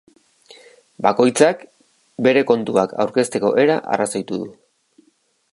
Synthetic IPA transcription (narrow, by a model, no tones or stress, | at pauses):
bako̞jt͡sak | be̞ɾe̞ko̞nt̪uakʰa̰wɾke̞st̪e̞ko̞̰ʔe̞ɾa̰ʔa̰rasojt̪uðu